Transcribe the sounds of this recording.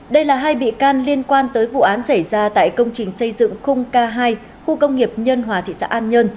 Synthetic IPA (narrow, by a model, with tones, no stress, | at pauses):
ɗə˧jlaː˨˩ɦaː˧jɓḭ˧˨kaː˧nli˧ənkwaː˧nt̪əː˨˦jvṵ˧˨ʔaː˨˦nsə˧˩jzaː˧t̪a̰ː˧˨jkə˧wŋ͡mt͡ɕï˨˩ŋ̟sə˧jzɨ̰˧˨ŋxʊ˧wŋ͡mkaː˧ɦaː˧j | xu˧kə˧wŋ͡mŋi˨˩əp̚ɲə˧nɦwaː˨˩t̪ʰḭ˧˨sa̰ː˧˥ʔaː˧nɲə˧n